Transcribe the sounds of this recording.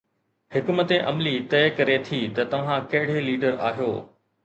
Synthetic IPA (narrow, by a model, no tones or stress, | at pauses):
hɪkmət̪eʔɐmlit̪ɐɪkɐɾet̪ʰit̪ɐt̪ɐʋ̤ãkɐɦɪɽ̤eliːɖəɾa̰ːɦjoː